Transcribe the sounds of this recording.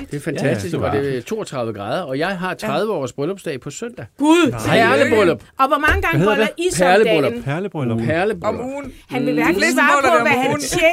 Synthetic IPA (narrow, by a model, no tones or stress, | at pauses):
d̥e̝fænt͡sʰæsd̥isɡʋɑ̈d̥e̝t͡sʰo̝̰ːɒt͡sʰʁɑ̈ð̞ˠʋəɡʁɑ̈ːð̞ˠɐɒ̽jɑ̈ɪɦɑ̈t͡sʰʁɑ̈ð̞ˠʋəɒ̰ːsb̥ʁœlɒ̽b̥sd̥ɛ̰ɪpʰɒ̽søn̰d̥æɡ̥uðˠæɐləb̥ʁɔlɔb̥ɒ̽ʋɒmɑ̈ŋəɡ̥ɑ̈ŋð̩ˠdʔispʰæɐləbʁɔl̥bpʰæɐləb̥ʁunhænʋeʋæɐɡlesʋɑ̈ːɔʋæhænnse